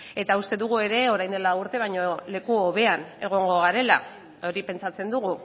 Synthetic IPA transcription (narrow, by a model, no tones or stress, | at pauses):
e̞t̪aust̪e̞ðuɣ̞ue̞ɾe̞o̞ɾajnd̪e̞lauɾt̪e̞β̞ajɲo̞le̞kuoβe̞ane̞ɣ̞o̞ŋɡo̞ɣaɾe̞la | o̞ɾipe̞nt͡sat͡se̞nd̪uɣu